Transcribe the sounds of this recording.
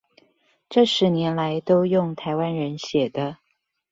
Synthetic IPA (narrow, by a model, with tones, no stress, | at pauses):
ʈ͡ʂɤ˥˩ʂɻ̩˧˥njɛ˧˥nla˧˦ɪt̪o˥ʊjʊ˥˩ŋt̪ʰa˧˥ɪwa˥nɻə˧˦nɕjɛ˨˩d̪ə˦